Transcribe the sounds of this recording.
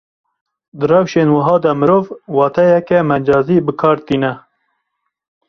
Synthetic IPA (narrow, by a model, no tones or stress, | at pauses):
d̪ɨrɛwʃeːnwɨɦɑːd̪ɐmɨɾoːvwɑːt̪ʰɛjɛkɛmɛnd͡ʒɑːziːbɨkʰɑːɾt̪iːnɛ